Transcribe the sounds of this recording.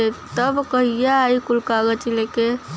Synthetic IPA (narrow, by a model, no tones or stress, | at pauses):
et̪əbkəɦijaːikulkaɡət͡ʃileke